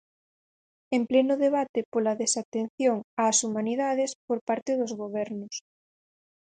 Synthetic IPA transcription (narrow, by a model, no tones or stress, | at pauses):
emplenʊðeβ̞at̪ɪpolaðesat̪en̟θjoŋaːsumãniðaðespoɾpaɾt̪ɪðʊzɣoβ̞ɛɾnʊs